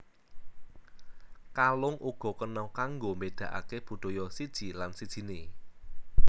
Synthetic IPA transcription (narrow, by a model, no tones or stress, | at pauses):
kalʊŋʔuɡ̥ɔ̤kənɔkaŋɡomed̪̥ä̤ʔa̰keb̥ṳd̪̥ojɔsid̥ʒ̥i̤lansid̥ʒ̥i̤ne